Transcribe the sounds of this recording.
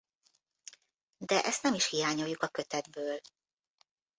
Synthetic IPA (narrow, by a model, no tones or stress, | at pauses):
d̪ɛʔɛst̪nɛmiʃhijaːɲojːukɒkø̞t̪ɛd̪bøːl